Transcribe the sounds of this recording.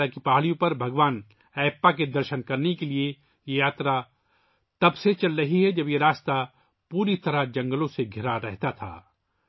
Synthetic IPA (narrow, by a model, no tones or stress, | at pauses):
akipaːɭijõpɐɾbʱɐɡʋaːn | ɛːpːaked̪ɐɾʃənkɐɾnekelie | jejaːt̪ɾa | t̪ɐbset͡ʃɐlːɐɦiɦɛd͡ʒɐbjeɾaːst̪a | puːɾit̪ɐɾad͡ʒɐ̃ŋɡəlõseɡʱɪɾaɾɛɦt̪at̪ʰa̰ː